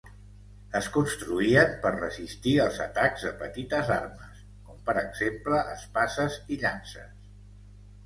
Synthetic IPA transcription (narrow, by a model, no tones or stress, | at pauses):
əskunst̪ɾuiəmpərrəzist̪iəlˠzə̰t̪aɡzðəpət̪it̪əzarməs | kɔmpəɾəɡz̥empləʔəspasəziʎansəs